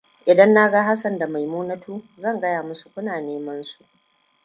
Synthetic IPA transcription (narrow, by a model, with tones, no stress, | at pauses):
ʔɪ˨dɐ˦nːa˦ɡa˦ɦa˦sɐ˨nda˨ma˨jmuː˦nɐ˦tʰuː˦zɐ˦˨ŋɡɐ˦jaː˨mʊ˦su̥˨kʷʊ˦naː˨neː˦mɐ˦nsu˨ʔ